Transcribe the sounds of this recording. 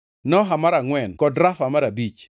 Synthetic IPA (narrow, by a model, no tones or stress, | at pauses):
nɔɦamaɾaŋwɛnkɔdɾafamaɾabit͡ʃ